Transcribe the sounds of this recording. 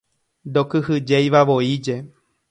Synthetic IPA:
d̪okɨhɨd͡ʒejʋaʋoid͡ʒe̞

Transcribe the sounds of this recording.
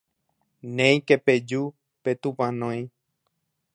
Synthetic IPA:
nẽj̃keped͡ʒu | pet̪upãnõj̃

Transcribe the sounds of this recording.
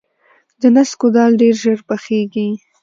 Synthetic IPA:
d̪ənaskod̪ɑlɖeɾʒəɾpaxeɡi

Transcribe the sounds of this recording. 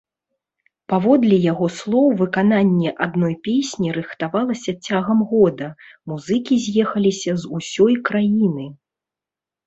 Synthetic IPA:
pavɔd̪lʲɛjaɣɔslˠɔwvɨkananʲːɛʔad̪nɔjpʲesʲnʲiɾɨxt̪avalˠɐsʲɐt͡sʲaɣɐmɣɔd̪ɐmuzɨkʲizʲjɛxɐlʲisʲɐzusʲɔjkɾajinɨ

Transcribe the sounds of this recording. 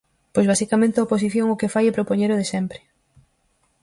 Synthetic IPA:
pojzβasikamẽnt̪eaopos̬iθjoŋokefajɛpɾopoɲeɾoðesɛmpɾɪ̥

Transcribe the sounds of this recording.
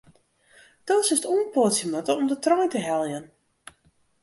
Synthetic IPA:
d̥ɔːsɪstuənpɔtsjəmɔtəɔmdətrɔjntəɦɛlˠjən

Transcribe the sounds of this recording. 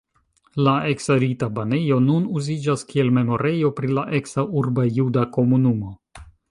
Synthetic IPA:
laeksaɾitabane̞jo̞nunuzid͡ʒaskie̞lme̞mo̞ɾe̞jo̞pɾilaʔeksaʔuɾbajudako̞munumo̞

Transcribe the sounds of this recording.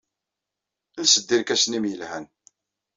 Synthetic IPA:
lsəd̪ːiɾkæsnimjəlhæn

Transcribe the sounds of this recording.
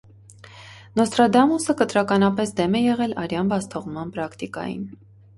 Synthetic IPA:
nɔst̪ɾɑd̪ɑmusəkət̪ɾɑkɑnɑpɛsd̪ɛmɛjɛʁɛlɑɾjɑnbɑst̪ʰɔʁmɑnpɾɑkʰt̪ikɑ̰jḭn

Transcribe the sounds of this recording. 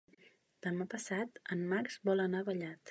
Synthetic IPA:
d̪̥əmapəsat̪əmmakz̥bɔlˠənaβəʎat̪

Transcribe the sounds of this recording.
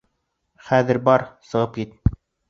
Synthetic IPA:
χæðɘ̆ɾbɑɾsɤ̆ʁɤp̚kit̪

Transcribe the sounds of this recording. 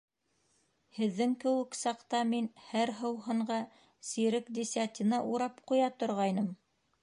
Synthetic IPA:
hɘ̆ðːɘŋkɘ̆wɘ̆ksɑqt̪ɑminhæɾɦɤ̆wɦɤ̆ɴɢɑ | siɾɘkd̪ʲisʲat̪ʲinɑʔuɾɑpqujɑt̪ŏɾʁɑjnɤm

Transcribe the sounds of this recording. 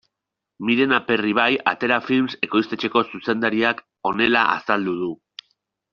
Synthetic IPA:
miɾe̞nape̞riβ̞aja̰t̪e̞ɾafilmse̞ko̞jst̪et͡ʃe̞ko̞suse̞nd̪aɾiak | o̞ne̞laʔa̰sald̪uð̞u

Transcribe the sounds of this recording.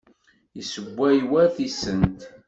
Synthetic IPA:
jəsəbʷːæjwæθisənt̪

